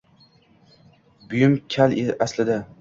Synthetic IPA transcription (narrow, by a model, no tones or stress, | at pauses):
bʊjʊmkʲʰaleʔaslɪd̪a